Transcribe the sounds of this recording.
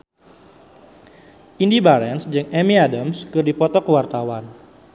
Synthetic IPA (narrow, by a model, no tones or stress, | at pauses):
ʔindibaɾɛnsd͡ʒɨŋɛmiadəmskɨrdipɔt̪ɔkəwart̪awan